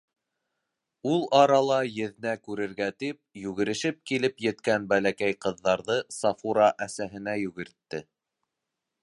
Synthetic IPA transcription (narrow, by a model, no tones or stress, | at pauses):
ulˠɑɾɑlˠɑjɘ̆ðɘ̆nækʉɾɘ̆ɾɡæt̪ip̚jʉɣɘ̆ɾɘ̆ʃɘp̚kilɘpjɘ̆t̪kænbælækæjqɤ̆ðːɑɾðɤsɑfuɾɑʔæsæɦɘ̆næjʉɣɘ̆ɾt̪ːɘ